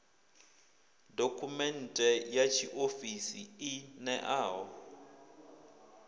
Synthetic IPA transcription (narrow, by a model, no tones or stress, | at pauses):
dokʰumɛn̩tʼɛjat͡ʃʰiʔofisiɪnɛʔaːɦɔ